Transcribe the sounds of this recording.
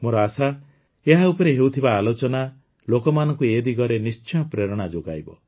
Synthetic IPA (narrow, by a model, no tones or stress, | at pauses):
moɾɔasa | eɦaupɔɾeɦewt̪ʰibaːlot͡ʃɔna | lokɔmanɔ̃ŋkued̪iɡɔɾenist͡ʃɔj̃ɔpɾeɾɔɽ̃ad͡ʒoɡa̰jbɔ̰